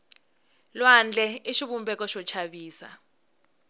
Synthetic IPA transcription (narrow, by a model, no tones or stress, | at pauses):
lwand͡ɮʱɛiʃiɓumbɛkɔʃɔt͡ʃʰaɓiːsa̰